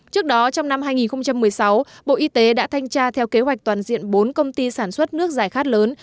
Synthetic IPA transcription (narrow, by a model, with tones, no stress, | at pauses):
t͡ɕɨ˦˥ək̚ɗɔ˨˦t͡ɕɔ˧wŋ͡mna˧mɦaː˧jŋi˨˩nxə˧ŋ͡mt͡ɕa˧mːɨ˨˩əjsa˨˦wɓo̰˧˨ʔi˧t̪e˨˦ɗa̰ː˧˥t̪ʰa˧jŋ̟t͡ɕaː˧t̪ʰɛ˧wke˨˦ɦwa˨˩k̚t̪waː˨˩nzḭ˧˨ənɓo˨˦nkə˧wŋ͡mt̪i˧saː˧˩nswə˦˥t̚nɨ˦˥ək̚zaː˨˩jxaː˦˥t̚ləː˨˦n